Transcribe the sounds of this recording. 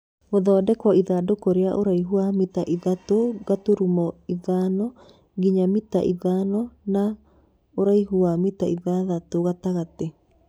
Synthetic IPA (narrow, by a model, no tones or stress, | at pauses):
ɣoðɔːdɛkɔiðadokoɾeaʔoɾaiɦuamitaʔiðatoɣatoɾumɔiðaːnɔ | ɣiɲamita̰ʔiðaːnɔna | oɾaiɦuamitaiðaðatoɣataɣate